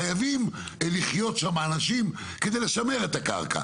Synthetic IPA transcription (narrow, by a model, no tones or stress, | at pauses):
ajavim | liχjo̞tʃamaːnaʃim | ke̞d̪ejle̞ʃame̞ʁe̞t̪aka̰ʁkʰa̰